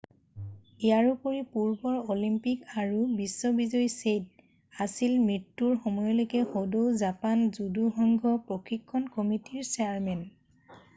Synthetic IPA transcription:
ijaɹupoɹipuɹbɔɹolimpikaɹubisːɔbizɔjsed | asilmɹitːuɹxɔmɔjɔlojkɛxodowzapanzuduxɔŋɡʱɔpɹɔkʰikʰːɔnkɔmitiɹsɛaɹmɛn

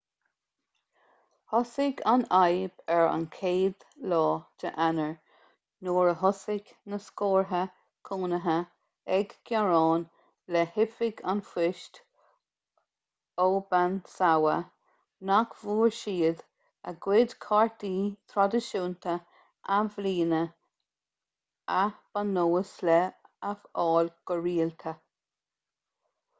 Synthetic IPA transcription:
hɔsɪɡanajbɛɹa̰nkʰeːd̪lɔːd̪ʰə̰ʔanəɹ | noːɹəɦɔsɪɡ | nəskoːɹɦə | kʰuːnəɦə | ɛɡɡjaɹɑːn | lɛhɪfɪɡanfɪʃt̪ | oːbansawə | nakvuːɹʃiːd̪ | ə̰ɡwɪd̪kʰaɹt̪iːt̪ʰɾɔd̪əʃuːnt̪ʰə | ʔavliːnə | ab̥anːoːəslɛafɑːlɡ̥əɹiːlt̪ʰə

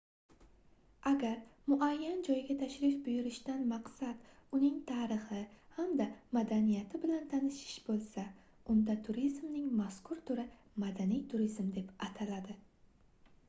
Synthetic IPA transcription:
ʔaɡʲaɾmʊʔajːand͡ʒɒjɡʲat̪ʰaʃɾɪfbʊjʊɾɪʃd̪anmaqsad̪̥ʊnɪŋt̪ʰaːɾɨχɪhamd̪amad̪anijat̪ʰɪbɪlant̪ʰanɪʃɪ̥ʃbolˠsa | ʊnd̪at̪ʰʊɾizmnɪŋmaskʰʊɾt̪ʰʊɾɪ | mad̪anijt̪ʰʊɾizmd̪e̞pat̪ʰalad̪ɪ

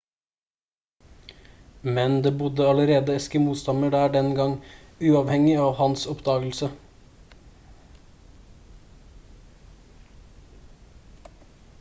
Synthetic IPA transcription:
mɛnd̪eːbʊd̪əɑləɾeːd̪əɛskəmuːt̪st̪ɑnəɖæːɖɛnɡɑŋʉːɑːʋhɛŋɪɑːʋhɑnsɔpd̪ɑːɡəl̩sə

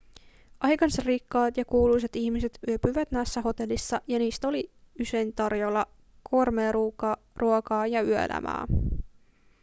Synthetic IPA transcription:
ʔɑjkɑnsɑrrikːɑːt̪jɑkuːlujs̬e̞t̪içmise̞t̪yøpyʋæt̪næjsːæɦo̞t̪e̞lːisːɑjɑniːst̪æo̞li | yse̞jnt̪ɑrjolːɑ | kʰo̞rmeːruːkɑ | ruokɑːjɑyøḛlʔæ̰mʔæ̰ː

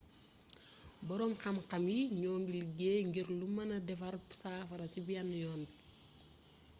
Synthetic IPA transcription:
bɔɾɔːmxɐmqɐmjiɲɔːŋɡilɡeːŋɡiɾlumɐnɐdɛfɐɾpsaːfɐɾɐsibiɐnːjɔːnbi

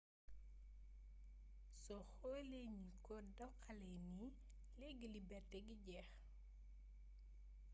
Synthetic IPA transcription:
sɔxɔleɲikɔdɐwkːalɛjni | lɛɡilibɛrtɛɡiɟɛx

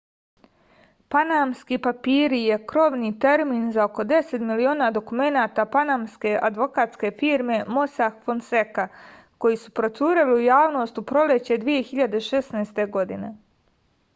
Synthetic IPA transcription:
panamskiːpapiːɾije̞kɾo̞ʋnit̪e̞ɾmiːnzaoko̞d̪e̞se̞t̪milio̞ːnad̪o̞kume̞naːt̪apanaːmske̞ʔad̪ʋo̞kaːt̪ske̞fiːɾme̞mo̞saxfonseka | ko̞jisupɾo̞t̪suːɾeliujaːʋno̞ːst̪upɾo̞let͡ɕe̞d̪ʋije̞xiʎad̪e̞ʃesnaːst̪e̞ɡo̞d̪ḭne̞

